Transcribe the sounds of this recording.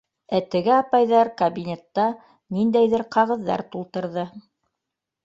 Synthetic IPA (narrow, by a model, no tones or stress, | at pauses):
æt̪ɘ̆ɡɘɑpɑjðɑɾkɐbʲinʲe̞t̪ːɑ | nind̪æjðɘɾqɑʁɤ̆ðːɑ̰ɾt̪ulˠt̪ɤ̆ɾðɤ